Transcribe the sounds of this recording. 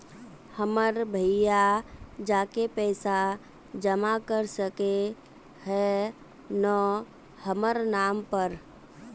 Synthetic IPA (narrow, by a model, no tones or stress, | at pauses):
həməɾbʱəɪjad͡ʒaːkepɛːsa | d͡ʒəmakəɾsəke | ɦɛ | nə | həməɾnaːmpəɾ